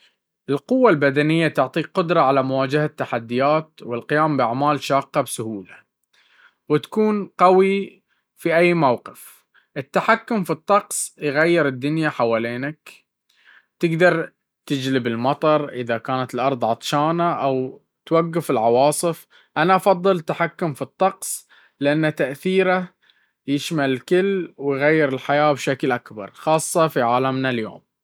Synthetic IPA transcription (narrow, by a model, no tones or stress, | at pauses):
ʔɪlqʊwːalbad̪anɪjːat̪ʊʕt̪ˤiːqʊd̪ɾˤɑʕalamʊwaːd͡ʒahat̪ːaħad̪ːɪjaːt̪wɪlqɪjaːmbɪʔaʕmaːlʃaːqːɑbsʊhuːla | wɪt̪ḁkuːnqawi | fiʔajːmawqɪf | ʔɪt̪ːaħakːʊmfit̪ˤːɑqsˤjɣajːɪɾɪd̪ːʊnjaħawaːleːnak | t̪ɪɡd̪ɑɾˤ | t̪ɪd͡ʒlɪbɪlmɑt̪ˤɑɾˤʔɪðakaːnat̪ɪlʔɑɾˤðˤʕɑt̪ˤʃɑːnaʔaw | t̪waɡːafɪlʕɑwɑːsˤɨf | ʔanaʔɑfɑðˤːɨlt̪ːaħakːʊmfit̪ˤːɑqsˤ | lɪʔanːat̪aʔθiːɾa | jɪʃmalkɪlːwɪjɣajːɪɾɪlħajaːbʃaklʔakbɑ̰ɾˤxɑːsˤːɑfiʕaːlamnaljo̰ːm